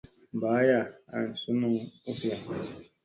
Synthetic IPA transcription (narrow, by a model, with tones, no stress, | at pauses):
baː˨˦ja˦˨a̰˨n̩˨su˦nu˦u˦si˦ja˨